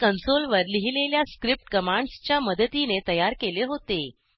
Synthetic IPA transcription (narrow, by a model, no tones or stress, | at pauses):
kənsolʋəɾliɦileljaskɾip̚ʈkəmãɳɖst͡ɕjaməd̪ət̪inet̪əjaɾkeleɦot̪e